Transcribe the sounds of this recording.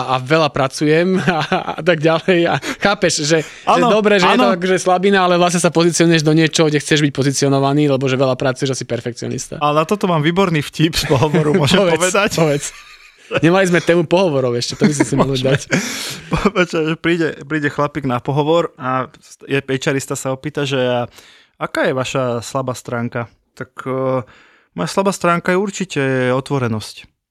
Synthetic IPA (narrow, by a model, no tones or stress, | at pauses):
aaʋɛlapɾat͡sujɛmaa̰t̪aɡɟalɛjaxaːpɛʃʒɛ | aːɛnd̪ɔbɾɛʒɛɛnɔak̬ɔʒɛslabinaalɛʋlasɲɛsapɔzit͡siɔnujɛʒd̪ɔɲɪɛt͡ʃɔɦɔɡɟɛxt͡sɛʒbic̚pɔzit͡siɪɔnɔʋaniːlɛbɔʒɛʋɛlapɾat͡sujɛʒɛsipɛɾfɛkt͡siɔ̰nḭst̪a̰alɛnat̪ɔt̪ɔmaːmʋiːbɔɾniːfcipspɔɦɔʋɔɾumɔʒɛmʋɛʋɛd̪acɔʋɛt͡s | ɲɛmalizmɛt̪ɛːmupɔɦɔʋɔɾɔʊɛʃcɛt̪ɔbis̬simɔɦɔd̪acpɔpɛt͡ʃaʒɛpɾiːɟɛpɾiːɟɛxlapiːɡnapɔɦɔʋɔɾasjɛpɛt͡ʃaɾist̪asaɔpiːt̪aʒɛa | akaːjɛʋaʃaslabaːst̪ɾaːŋka | t̪ak | mɔjaslabaːst̪ɾaːŋkajɛuɾt͡ʃicɛɔt̪ʋɔɾɛnɔsc